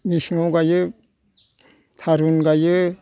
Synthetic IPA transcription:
misŋawɡajɯ | t̪ʰaɾunɡajɯ

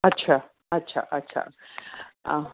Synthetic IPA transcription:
at͡ʃʰa | at͡ʃʰa̰ʔat͡ʃʰa̰

